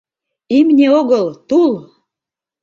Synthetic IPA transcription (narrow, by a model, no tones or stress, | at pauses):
imnʲeoɣəlt̪ul